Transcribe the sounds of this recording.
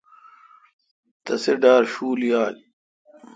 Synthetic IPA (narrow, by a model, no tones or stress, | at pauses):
t̪ɐseɖaːɾɕuːlijaːl